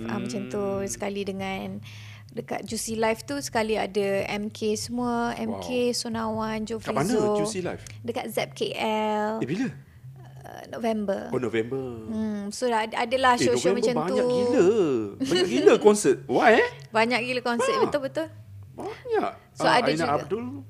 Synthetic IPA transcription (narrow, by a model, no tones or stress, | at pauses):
a̰mat͡ʃamt̪usə̥kalidəŋãn | dəka̰t̪̚d͡ʒusilajft̪usə̥kalia̰dəɛmkʰesəmũaɛ̰mkʰesonãwand͡ʒofaanəzod͡ʒuila̰jf | dəkat̪̚zɛp̚keʔɛlebilə | ə̰ | novɛmbəonovɛmbə | solaadəlahsoʃomat͡ʃamaɲuaɡiləbaɲakiləkɔnsət̪̚waj | baɲakkiləkɔnsət̪bəʊlbət̪ʊl | baɲaʔ | soaanaadul